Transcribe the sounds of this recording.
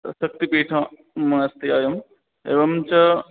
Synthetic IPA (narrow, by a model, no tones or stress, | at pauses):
ɐsɐk̚t̪ipiːʈʰã | mɐ̃ɐst̪iaːjɐm | ḛːʋɐmt͡ɕɐ